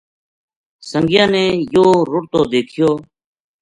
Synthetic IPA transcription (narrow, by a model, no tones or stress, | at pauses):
səŋɡɪjãːneːjoːɾʊʈt̪oːd̪eːkʰɪjoː